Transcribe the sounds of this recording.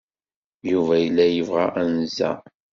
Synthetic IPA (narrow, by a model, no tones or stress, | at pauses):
juvæjəlːæjəvʁæʔænzæ̰